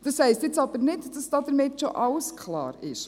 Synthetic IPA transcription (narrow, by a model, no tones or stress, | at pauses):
d̥ɑshɛɪstjɪt͡sɑbəɾnɪtd̥ɑsd̥ɑːdəɾmɪtʃɔʔɑwskʰlɑ̰ːɾɪ̰ʃ